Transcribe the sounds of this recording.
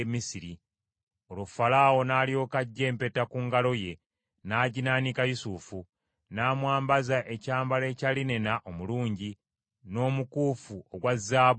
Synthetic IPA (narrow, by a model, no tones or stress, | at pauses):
misiɾi | olofalaːwo̞naːljo̞ːkaɟːe̞ːmpe̞takuŋɡalo̞je̞ | naːɟinaːnikajusufu | naːmwaːmbazaʔe̞caːmbaleːcaline̞naʔomuluːɲɟi | no̞ːmukuːfuoɡwazːaːβ